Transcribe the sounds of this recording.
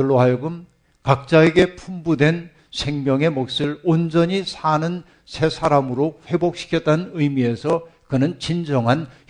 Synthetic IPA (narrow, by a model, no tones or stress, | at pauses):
ɯɭːoɦajoɡɯm | kak̚t͡ɕ͈ae̞ɡe̞pʰumbudwe̞n | sʰe̞ŋmjʌŋe̞mok̚s͈ɯɭond͡ʑʌɲisʰanɯn | sʰe̞sʰaɾamɯɾoɸwe̞bok̚ɕ͈ʰi̥kʰjʌt̚t͈anɯnɯjmie̞sʰʌkɯnɯnt͡ɕind͡ʑʌŋɦan